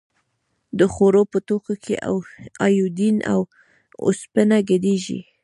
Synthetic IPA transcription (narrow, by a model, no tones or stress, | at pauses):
d̪əxoɾopət̪okakʰḛʔa̰wɑjud̪ina̰w | o̰spənaɡəd̪eʒḭ